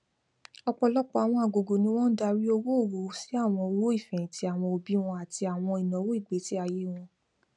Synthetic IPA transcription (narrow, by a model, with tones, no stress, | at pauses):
ɔ˧k͡pɔ˧lɔ˦k͡pɔ˦˧a˨w̃ɔ̃˧a˨ɡo˨ɡo˨nĩ˧˦w̃ɔ̃˦da˧ɾi˦o˧wo˦o˦˨wo˨˦si˨˦a˦˨w̃ɔ̃˧o˧wo˦i˦˨fɛ̃˨tʰi˧˦a˨w̃ɔ̃˧o˧bi˦w̃ɔ̃˧a˨ti˧a˨w̃ɔ̃˧i˨nɔ̃˨˦wo˦i˦˨ɡ͡be˨˦ti˦a˧je˦w̃ɔ̃˧